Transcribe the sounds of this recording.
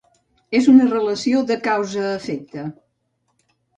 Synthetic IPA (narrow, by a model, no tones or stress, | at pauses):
ezunərələsioðəkawzəːfɛk̚t̪ə